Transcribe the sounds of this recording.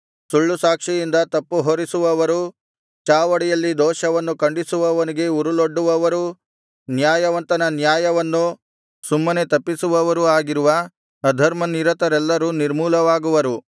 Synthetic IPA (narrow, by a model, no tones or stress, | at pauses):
suɭːusaːkʂijind̪ɐt̪ɐpːuɦoːɾisuʋɐʋɐɾu | t͡ʃaːʋɐɽijɐlːid̪ɔːʃɐʋɐnːukɐɳɖisuʋɐʋɐniɡe̞uɾuloɖːuʋɐʋɐɾu | njaːjɐʋɐnt̪ɐnɐnjaːjɐʋɐnːu | sumːɐne̞t̪ɐpːisuʋɐʋɐɾuaːɡiɾuʋɐː | d̪ʱɐɾmɐniɾɐt̪ɐɾɛlːɐɾuːniɾmuːlɐʋaːɡuʋɐɾu